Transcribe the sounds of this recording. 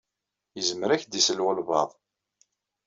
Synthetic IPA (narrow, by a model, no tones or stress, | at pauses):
jəzəməɾæçd̪isəlwəlvɑðˤ